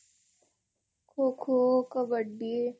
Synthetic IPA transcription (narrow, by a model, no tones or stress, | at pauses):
kʰokʰokɐbəɖie